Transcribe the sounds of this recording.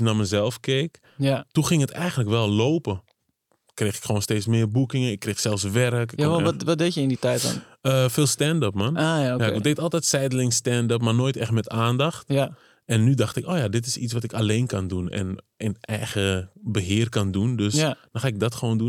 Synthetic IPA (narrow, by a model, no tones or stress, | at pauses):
naməzɛlˠfkeːk | tuxɪŋətɛjɣəntləkʋɛlˠloːpə | kreːxɪkxoːnsteːt͡ssmɪːrbukɪŋəɪkːreːxsɛlˠfs̬ʋɛɾəkaɔʋɔdejəɪnditɛjtɔ̰n | əfɪːlˠstɛndɔpmanaːjaojadetɔlˠtɛtsɛjdəlɪŋstɛndɔp̬marnoːjtɛxtmɛtaːndaxt | ɛnːydaxtɪkoːjadɪtɪsit͡sʋatɪkaleːnkandunɛ̰n | ənɛjɣəbəɦɪːərkandundøsdɔxaːɪk̚dɔtxəʋoːndun